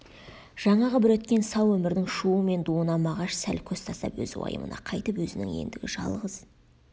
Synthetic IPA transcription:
ʒ̥ɑɴɑʁəbɪɾɵt̪kʲe̞nsɑwɵmɪɾd̪ɪŋʃuəme̞nd̪uənɑmɑʁɑʃsælkʲʰɵst̪ʰɑst̪ɑ̰pwɵ̰zwɑ̰jə̰mə̰nɑ̰qʰɑjt̪əpwɵzɪnɪ̰ŋe̞̰nd̪ɪɡʲɪʒɑ̰lˠʁəz̥

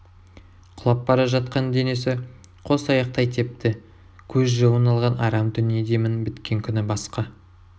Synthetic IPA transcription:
qʰʊlˠɑpbɑɾɑʒɑt̪̚qɑnd̪e̞ne̞sɪ | qʰo̞sɑjɑq̚t̪ɑjt̪ʰe̞p̚t̪ɪ | kʲʰɵzʒəwənɑlˠʁɑnɑɾɑmt̪ʰʏnied̪e̞mɪnbɪt̪kʲe̞ŋkʲʰʏnɪbɑsqɑ

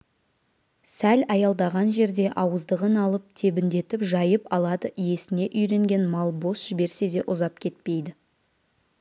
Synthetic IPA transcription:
sælɑjɑlˠd̪ɑʁɑnʒe̞ɾd̪e̞ʔɑwəzd̪əʁənɑlˠəp̚t̪ʰe̞bɪnd̪e̞t̪ɪpʒɑjəpɑlˠɑd̪əje̞sɪne̞ʔʏjɾe̞ŋɡʲe̞nmɑlˠbo̞sʒ̥ɪbe̞ɾse̞d̪e̞ʔʊzɑp̚kʲʰe̞t̪̚pe̞jd̪ɪ

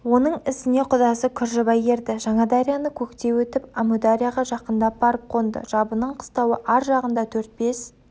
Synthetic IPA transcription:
wo̞nəɴɪsɪne̞qʰʊd̪ɑsəkʲʰʏɾʒəbɑje̞ɾd̪ɪʒɑɴɑd̪aɾʲijanəkʲʰɵkt̪e̞wɵt̪ɪpamud̪aɾʲijaʁɑʒɑqənd̪ɑp̚bɑɾəp̚qʰo̞nd̪ə̰ʒ̥ɑbənəɴqʰə̥st̪ɑwəʔɑɾʒɑʁənd̪ɑt̪ʰɵɾt̪̚be̞s

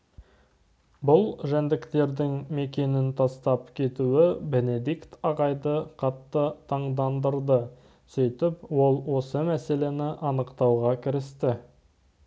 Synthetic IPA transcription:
bʊlˠʒænd̪ɪkt̪e̞ɾd̪ɪŋme̞kʲe̞nɪnt̪ʰɑst̪ɑpkʲʰe̞t̪uɪbe̞ne̞d̪ikt̪ɑʁɑjd̪əqʰɑt̪ːət̪ʰɑɴd̪ɑnd̪əɾd̪ə | sijt̪ɪpwo̞lˠwo̞səmæse̞le̞nɪʔɑnəqt̪ɑwʁɑkʲʰɪɾɪst̪ɪ

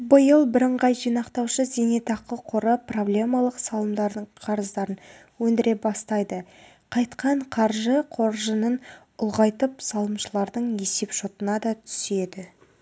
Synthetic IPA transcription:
bəjəlˠbɪɾəɴʁɑjʒijnɑqt̪ɑwʃəzenet̪ɑqəqʰʊɾəpro̞blʲe̞mɑlˠəqsɑlˠəmd̪ɑɾd̪əɴqʰɑɾəzd̪ɑɾən | wɵnd̪ɪɾe̞bɑst̪ɑjd̪ə | qʰɑjt̪qɑɴqʰɑɾʒəqʰo̞ɾʒənən | ʊlˠʁɑjt̪əpsɑlˠəmʃəlˠɑɾd̪əɴe̞se̞pʃot̪ənɑd̪ɑt̪ʰʏ̥se̞d̪ɪ

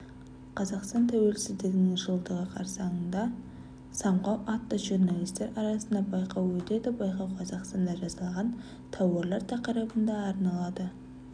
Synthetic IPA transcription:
qʰɑzɑqst̪ɑnt̪ʰæwe̞lsɪzd̪eɡnɪŋʒəlˠd̪əʁəqʰɑɾsɑɴənd̪ɑ | sɑɴqɑwʔɑt̪ːəʒurnɑlˠijst̪e̞ɾɑɾɑsənd̪ɑbɑjqɑwwɵt̪e̞d̪ɪbɑjqɑwqʰɑzɑqst̪ɑnd̪ɑʒɑzɑlˠʁɑn | t̪ʰɑwɑɾlˠɑɾt̪ʰɑqəɾɑbənd̪ɑːɾnɑlˠɑd̪ə

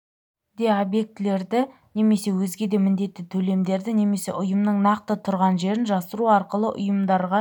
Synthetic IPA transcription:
d̪e̞obje̞k̚t̪ɪle̞ɾd̪ɪ | ne̞me̞se̞wɵzɡʲe̞d̪e̞mɪnd̪e̞t̪ːɪt̪ʰɵle̞md̪e̞ɾd̪ɪne̞me̞se̞̰ʔʊjəmnəɴnɑq̚t̪ət̪ʰʊɾʁɑnʒe̞ɾɪnʒɑsəɾuɑɾqəlˠəʔʊ̰jəmd̪ɑɾʁɑ

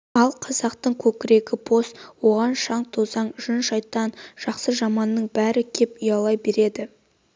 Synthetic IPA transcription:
ɑlˠqʰɑzɑqt̪əɴkʲʰɵkʲɪɾe̞ɡʲɪbʰo̞st̪wo̞ʁɑnʃɑɴt̪ʰozɑɴʒ̥ʏnʃɑjt̪ːɑnʒ̥ɑqsəʒɑmɑnːəɴbæɾɪkʲʰe̞pʏjɑlˠɑjbe̞ɾe̞d̪ɪ

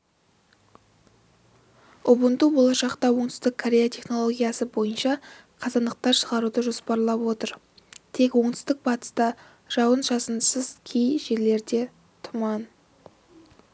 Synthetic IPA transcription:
ʊbənt̪ubo̞lˠɑʃɑqt̪ɑwo̞ɴt̪ʏ̥st̪ɪkʰoɾʲe̞jat̪ʰe̞χno̞lˠoɡʲijasəbo̞jənʃɑ | qʰɑzɑnd̪əq̚t̪ɑɾʃəʁɑɾud̪əʒo̞spɑɾlˠɑpwo̞t̪əɾ | t̪ʰe̞kwo̞ɴt̪ʰʏ̥st̪ɪk̚bɑt̪ə̥st̪ɑ | ʒ̥ɑwənʒɑsənsəzkʲʰejʒe̞ɾle̞ɾd̪e̞ | t̪ʰʊmɑn

